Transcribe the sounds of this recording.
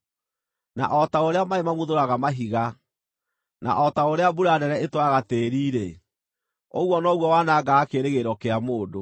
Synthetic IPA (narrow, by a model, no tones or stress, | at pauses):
na̰ʔɔtaoɾeamaemamoðoɾaɣamaɦiɣa | na̰ʔɔtaoɾeabuɾanɛɾɛetwaɣateɾiːɾe | oɣwɔnɔɣwɔwanaɡaːkeɾeɣeɾɔkeamoːdo